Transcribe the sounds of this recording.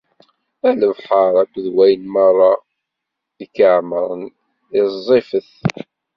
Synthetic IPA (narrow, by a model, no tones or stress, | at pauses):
æləvħəɾˤækʷːðwæjənmɑrˤːɑ | ðəkːəʕməɾˤə̰n | ɪzˤːifəθ